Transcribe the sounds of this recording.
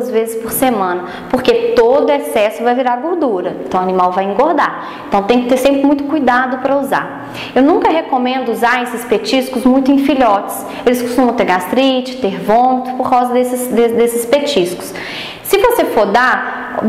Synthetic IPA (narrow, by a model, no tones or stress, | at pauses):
ɐzvezɪspoɾsemɐ̃nɐ | poɾket̪od̪ʊɛsɛsʊvajviɾaɾɡoɾd̪uɾɐẽt̪ɐ̃w̃anĩmawvajẽŋɡoɾd̪aɾ | ẽnt̪ɐ̃w̃t̪ẽj̃kɪt̪eɾsẽmpɾɪmũj̃t̪ʊ̥kujd̪ad̪ʊpɾɐuza̰ | ewnũkɐɦekomẽnd̪ʊuzaɾesɪspet͡ʃiskʊzmũj̃t̪ʊẽj̃fiʎɔt͡ʃɪ̥s | elɪsko̥st̪ũmɐ̃w̃t̪eɾɡast̪ɾit͡ʃɪ̥t̪eɾvõnt̪ʊpoɾkawzɐd̪esɪsd̪ed̪esɪspet͡ʃiskʊ̥s | sɪvosefoɾd̪aɾ